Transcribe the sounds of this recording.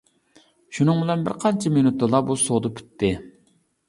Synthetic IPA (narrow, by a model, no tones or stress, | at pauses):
ʃunɨŋbɪlɛnbɪ̰ɾqʰɑnt͡ʃʰɛmenut̪ːɨlˠɑbusod̪ɨpʰy̥t̪ːɪ